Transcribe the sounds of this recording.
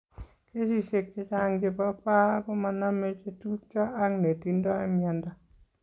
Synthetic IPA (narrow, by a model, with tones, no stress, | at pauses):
ke˦si˦se˨k̚t͡ʃe˦t͡ʃa˦ŋd͡ʒe˨pa˦pa˦kɔ˦ma˨na˦me˦t͡ʃe˦tu˦t͡ʃɔ˦a˦ŋne˨ti˦ndɔ˦a˦mjɛ˨nda˦